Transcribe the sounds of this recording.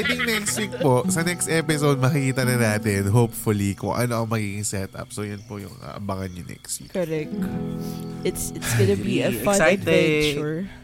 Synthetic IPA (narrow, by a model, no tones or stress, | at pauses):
t̪ɪŋnɛkst̪wik̚posɐnɛkst̪ʔɛpɪsod̪̚mɐkɪkiːt̪ɐnɐnaːt̪ɛnɦowpfʊlikʊ̰ŋʔɐ̰noʔɐŋmɐɡiːɡɪŋsɛt̪ʔɐ̰p̚sojɐnpojʊ̰ŋɐ̰baŋɐnɲɐŋnɛ̰kst̪wḭkɛɾɛk̚ | ɪt̪sɪtsɡɔnɐbiɐfɐ̃najt̪et͡ʃuɹ